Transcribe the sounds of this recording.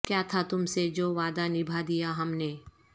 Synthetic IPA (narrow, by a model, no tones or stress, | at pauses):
kjaːt̪ʰat̪ʊmsed͡ʒoːʋaːd̪anɪbʱad̪ijaɦɐmneː